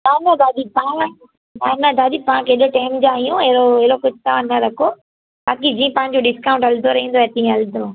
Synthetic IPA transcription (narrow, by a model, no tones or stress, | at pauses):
naːnɐd̪aːd̪ipã | nanɐd̪ʱaːd̪ipaãkeːɗəʈaːmd͡ʑaːɦijũeɾoɪɾokʊd͡ʑʱt̪aãnɐɾɐkʰo | baːkid͡ʑĩːə̃pãɦɪ̃ɲd͡ʑoɖɪskaːʊ̃ɳʈɐld̪oɾɐɦĩːnd̪oɛt̪ĩːɐld̪oː